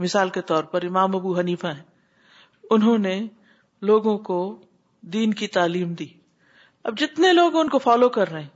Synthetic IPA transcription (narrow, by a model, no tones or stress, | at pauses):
mɪsaːlket̪ɔːɾpɐɾɪmaːmɐbuɦɐniːfaɦɛ̃ː | ʊnɦõne | loːɡõko | d̪iːnkit̪aːliːmd̪iː | ɐb̚d͡ʒɪt̪neloːɡʊnkofaːlokɐɾːɐɦẽː